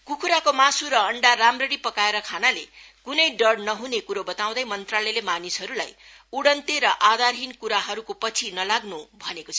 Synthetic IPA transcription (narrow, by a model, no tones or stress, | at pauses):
kukʰuɾakomasuɾʌʌɳɖaramrʌɽipʌkaeɾʌkʰanale | kunʌjɖʌɽnʌɦunekuɾobʌt̪aw̃d̪ʌjmʌnt̪ralʌlemanisɦʌɾulaj | uɽʌnt̪eɾʌʔad̪arɦinkuɾaɦʌɾukopʌt͡sʰinʌlaɡnubʱʌnekot͡sʰʌ